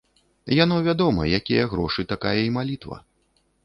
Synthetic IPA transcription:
jan̪ɔvʲad̪ɔmɐ̰jakʲijɐɣɾɔʂɨt̪akajɐimalʲit̪vɐ̰

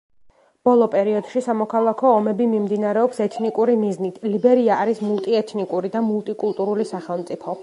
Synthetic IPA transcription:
b̥ɔlˠɔpʼɛɾiɔd̪̥ʃisamɔkʰalˠakʰɔːmɛbimimd̪inaɾɛɔpsɛt̪ʰnikʼuɾimiznit̪ʰlibɛɾiaːɾismulˠt̪ʼiɛt̪ʰnikʼuɾid̪amulˠt̪ʼikʼulˠt̪ʼuɾulisaχɛlˠmt̪sʼipʰɔ

